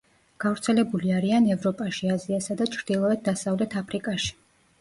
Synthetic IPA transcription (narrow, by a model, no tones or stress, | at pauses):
ɡ̥avɾt̪sʰɛlɛbuliaɾianɛvɾɔpʼaʃiaziasad̪at͡ʃʰɾd̪̥ilˠɔɛd̪̚d̪asavlɛt̪ʰapʰɾikʼaʃi̥